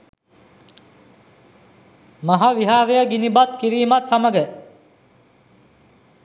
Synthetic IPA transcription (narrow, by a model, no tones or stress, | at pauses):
maɦaʋiɦaːɾejəɡinibat̪kiɾiːmat̪saməɡə